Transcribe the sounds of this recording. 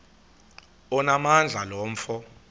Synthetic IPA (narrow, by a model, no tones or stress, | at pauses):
ɔnamand͡ɮʱalɔːm̩fɔ